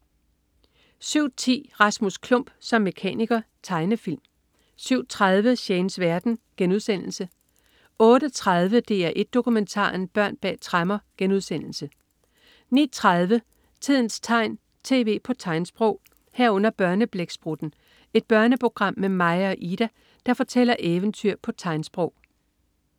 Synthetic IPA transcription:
syʊ̰t͡sʰḭːʁɑ̈smuskʰlɔ̽m̰b̥sɒ̽mːe̝kʰɛ̰ːniɡ̥ɐ | t͡sʰɑ̈ɪnəfil̰m | syʊ̰t͡sʰʁað̞ˠʋəɕeːnsʋæɐd̥n̩ɡ̥enuð̞ˠsen̰l̩sə | ɔ̽ːɾ̥ət͡sʰʁɑðˠʋəd̥e̝̰ːæɐʔe̝d̥̚ːo̝kument͡sʰɑ̰̈ːnb̥ɶɐ̰nb̥ɛ̰ːt͡sʰʁɑmɐɡ̥enuðˠsen̰l̩sə | nḭt͡sʰʁaðˠʋə | t͡sʰið̞̰ˠn̩st͡sʰɑ̈ɪ̰n | t͡sʰe̝̰ːʋe̝̰ːpʰɒ̽t͡sʰɑ̈ɪnsb̥ʁɔʊ̰ | hæɐ̰ɔ̽n̰ɐb̥ɶɐnəb̥leɡ̥sb̥ʁud̥n̩ | e̝d̥̚b̥ɶɐnəpʰo̝ɡ̥ʁɑ̈m̰ːemɑ̈ɪɐʔiɾ̥æ | d̥ɑ̈fɒ̽t͡sʰel̰ɐʔeːʋənt͡sʰyɐ̰pʰɒ̽t͡sʰɑ̈ɪnsb̥ʁɔʊ̰

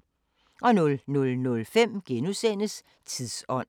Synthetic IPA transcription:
ʔɒ̽nɔ̽lnɔ̽lnɔ̽lfem̰ɡ̥enusen̰əs | t͡sʰiðˠsɒ̽n̰

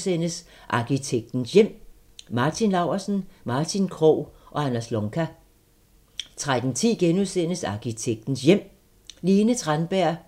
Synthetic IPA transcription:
sen̰əs | ʔɑ̈kit͡sʰeɡ̥̚d̥n̩sjem̰ | mɑ̈ːt͡sʰinlɑ̈ʊɐsn̩mɑ̈ːt͡sʰinkʰʁɔʊ̰ʔɒ̽ænæslɔ̽ŋkʰæ | t͡sʰʁad̥n̩t͡sʰḭːɡ̥enuðˠsen̰əsɑ̈kʰit͡sʰeɡ̥̚d̥n̩sjem̰ | liːnət͡sʰʁanb̥æɐ̰

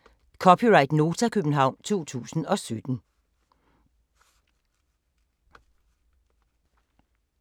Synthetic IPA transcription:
kʰɒpʰiʁɑ̈ɪd̥no̝ːt͡sʰækʰøb̥n̩ɦɑ̈ʊ̰nt͡sʰo̝̰ːt͡sʰṵːsn̩ɒ̽sød̥n̩

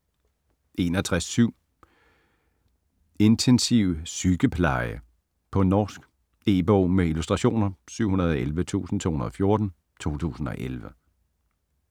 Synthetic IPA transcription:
ʔe̝nɒt͡sʰʁasːyʊ̰ | e̝nt͡sʰensiʊsyɡ̥əpʰlɑ̈ɪə | pʰɒ̽nɒːsɡ̥ | e̝̰b̥ɔːmeilusd̥ʁɑ̈ɕo̝̰ːnɐsyʊ̰ɦunɐðˠɒ̽elʋət͡sʰṵːsn̩t͡sʰo̝ːhunɐðˠɒfjo̝ɐd̥n̩ | t͡sʰo̝̰ːt͡sʰṵːsn̩ɒ̽ʔelʋə

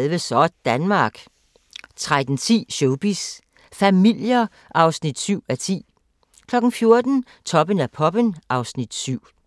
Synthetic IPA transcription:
lʋəsɒd̥d̥ænmɑ̈ːɡ̥ | t͡sʰʁad̥n̩t͡sʰḭːɕoʊb̥is | fæmil̰jɐ | ʔɑ̈ʊsnid̥syʊ̰æt͡sʰḭː | kʰlɒ̽ɡ̥n̩fjo̝ɐd̥n̩ | t͡sʰɒ̽b̥ənæpʰɒ̽b̥ənʔɑ̈ʊsnid̥syʊ̰

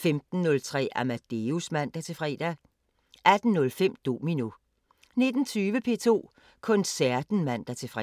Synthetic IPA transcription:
femd̥n̩ːɔ̽lt͡sʰʁɛ̰ːæmæd̥e̝usmæn̰d̥æt͡sʰe̝fʁɛ̰ːd̥æ | æd̥n̩ːɔ̽lfem̰d̥o̝̰ːmino | ne̝d̥n̩t͡sʰyːʋəpʰe̝ːt͡sʰo̝̰ː | kʰɔ̽nsæɐd̥n̩mæn̰d̥æɐt͡sʰe̝fʁɛ

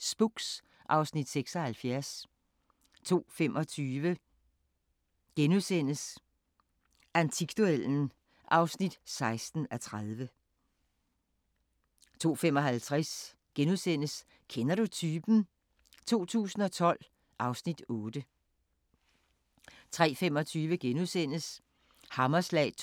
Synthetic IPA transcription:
sb̥uɡ̥s | ʔɑ̈ʊsnid̥seɡ̥sɒ̽hælfjæɐs | t͡sʰo̝̰ːfemʔɒ̽t͡sʰyːʋə | ɡ̥enuðˠsen̰əs | ænt͡sʰiɡ̥d̥uel̰n̩ | ʔɑ̈ʊsnid̥sɑ̈ɪsd̥n̩æt͡sʰʁaðˠʋə | t͡sʰo̝̰ːfem̰ɒ̽ɦælt͡sʰʁas | ɡ̥enuðˠsen̰əs | kʰenɐɾut͡sʰyːb̥n̩ | t͡sʰo̝̰ːt͡sʰṵːsn̩ɒ̽t͡sʰɒ̽l̰ | ʔɑ̈ʊsnid̥ɔːd̥ə | t͡sʰʁɛ̰ːfemɒ̽t͡sʰyːʋəɡ̥enuðˠsen̰əs | hɑ̈mɐslɛ̰ː

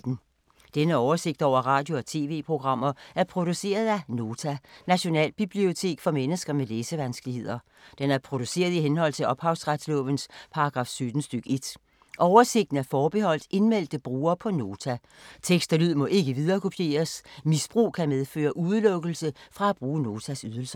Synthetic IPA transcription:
n̩ | d̥enəɒʊɐse̝ɡ̥d̥ɒ̰ʊ̰ɐʁɑ̈ːd̥jo̝ɒ̽t͡sʰe̝̰ːʋe̝̰ːpʰʁo̝ɡ̥ʁɑ̈m̰ɐæɐpʰʁo̝d̥use̝̰ːɐðˠæno̝ːt͡sʰænæɕo̝nɛ̰ːlb̥ib̥lio̝t͡sʰe̝̰ːɡ̥fɒ̽menəsɡ̥ɐmeleːsəʋænsɡ̥lihe̝ð̰ˠɐ | d̥enæɐpʰʁo̝d̥use̝̰ːɐð̞ˠiɦenhɒ̽l̰t͡sʰe̝lʔɒ̽b̥hɑ̈ʊsʁad̥slɔ̽ʋənspʰɑ̈ɑɡ̥ʁɑ̈ːfsød̥n̩sd̥yɡ̥e̝d̥ | ʔɒʊɐse̝ɡ̥̚d̥n̩æɐfɒːb̥e̝hɒ̽l̰d̥ʔe̝nmel̰d̥əb̥ʁuːɐːpʰɒ̽no̝ːt͡sʰæ | t͡sʰeɡ̥sd̥ælyð̞̰ˠmɒ̽ʔe̝ɡ̥əʋið̞ˠɐːkʰo̝pʰje̝̰ːɐsmisb̥ʁṵːkʰæmeð̞ˠfø̰ːɐʔuðˠlɔ̽ɡ̥l̩səfʁɑ̈æb̥ʁuːno̝ːt͡sʰæsyð̞ˠəl̩sɐ

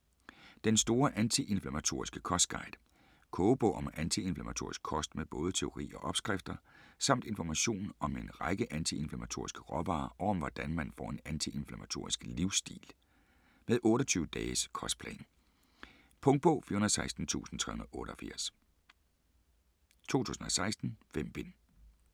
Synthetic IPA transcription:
d̥ensd̥o̝ːɐʔænt͡sʰiʔe̝nflæmæt͡sʰo̝̰ɐ̰isɡ̥əkʰɒ̽sd̥̚ɡ̥ɑ̈ɪd̥ | kʰɔːb̥ɔ̰ːʔɒ̽mænt͡sʰie̝nflæmæt͡sʰo̝̰ɐ̰ɪisɡ̥kʰɒ̽sd̥meðb̥ɔ̽ːð̞ˠət͡sʰe̝o̝ʁḭːɒ̽ʔɒ̽b̥sɡ̥ʁɛfd̥ɐsɑ̈m̰d̥e̝nfɒmæɕo̝̰ːnɒ̽me̝nʁɑɪɡ̥əʔænt͡sʰie̝nflæmæt͡sʰo̝ɐisɡ̥ə̥ʁɒb̥ɑːʔɒʊɒ̽mʋɒd̥ænmænfɒ̰ːe̝nænt͡sʰiʔe̝nflæmæt͡sʰo̝̰ɐ̰isɡ̥liʊsd̥ḭːl | meðˠʔɔ̽ːɾɒt͡sʰyːʊəd̥ɛːskʰɒ̽sd̥̚pʰlɛ̰ːn | pʰɔ̽ŋ̥̚pʰɔ̽ːfḭɐhunɐð̩ˠsɑ̈ɪsd̥n̩t͡sʰṵːsn̩t͡sʰʁɛhunɐð̩ˠɔ̽ːɾɐɒfḭɐ̰s | t͡sʰo̝̰ːt͡sʰṵːsn̩ɒsɑ̈ɪsd̥n̩fem̰b̥e̝n

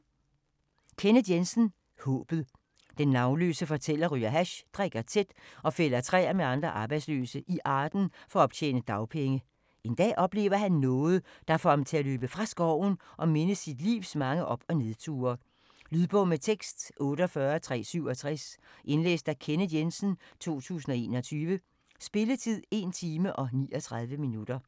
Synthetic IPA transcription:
kʰenəd̥jensn̩ | hɔ̰̽ːb̥ð̩ˠ | d̥enːɑ̈ʊnlø̰ːsəfɒ̽t͡sʰel̰ɐʁyɐɦæɕd̥ʁaɡ̥ɐt͡sʰe̝d̥ɒ̽fel̰ɐt͡sʰʁɛ̰ːæmeɑ̈nd̥ʁɐʔɑ̈ːb̥ɑ̈ɪd̥slø̰ːsəʔiʔɑ̈ːd̥n̩fɒ̽ɒ̽b̥t͡sʰḛːnəd̥ɑ̈ʊpʰeŋə | e̝nd̥ɛ̰ːʔɒ̽b̥le̝ːʊɐɦænːɔ̽ːð̞̩ˠd̥ɑ̈fɒhɑ̈mt͡sʰe̝æløːb̥əfʁɑ̈sɡ̥ɒʊ̰n̩ʔɒ̽me̝nəsid̥lḭːʊsmɑ̈ŋəʔɒ̽b̥ɒ̽ne̝ðˠt͡sʰṵːɐ | lyðˠb̥ɔ̽met͡sʰeɡ̥sd̥ʔɔ̽ːɾəɒfɶɐt͡sʰʁɛ̰ːsyʊɒ̽t͡sʰʁɛsʔe̝nlḛːsd̥ækʰenəjensn̩t͡sʰo̝̰ːt͡sʰṵːs̬n̩ɒ̽e̝̰ːnɒ̽t͡sʰyːʋə | sb̥e̝lət͡sʰið̰ˠe̝nt͡sʰiːməʔɒ̽nḭːɒt͡sʰʁɑ̈ð̞ˠʋəminud̥ɐ

